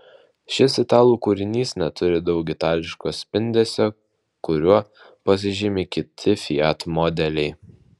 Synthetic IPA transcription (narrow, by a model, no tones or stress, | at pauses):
ʃʲɪsʲɪt̪ɑːlˠuːkuːɾʲɪnʲiːsnʲɛt̪ʊɾʲɪd̪ɒʊkʲɪt̪ɑːlʲɪʃkoːsʲpʲɪnʲd̪ʲeːsʲo | kʊɾʲuɔ | pɐs̬ʲɪʒʲɪmʲɪkʲɪt̪ʲʰɪfʲɪjæt̪mɔd̪ʲɛlʲɛɪ